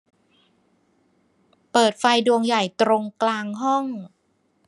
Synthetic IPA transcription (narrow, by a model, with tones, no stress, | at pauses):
pɤː˨˩t̪̚fa˧jdu˧əŋja˨˩jt̪ɾo˧ŋklaː˧ŋɦɔ˥˩ŋ